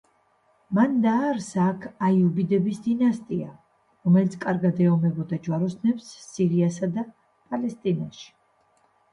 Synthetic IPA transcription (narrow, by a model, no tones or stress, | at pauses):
mand̪aːɾsakʰajubid̪ɛbisd̪inast̪ʼia | ɾɔmɛlit̪sʰkʼaɾɡad̪ɛɔmɛbɔd̪ad͡ʒwaɾɔsnɛpsːiɾiasad̪a | pʼalɛst̪ʼinaʃi̥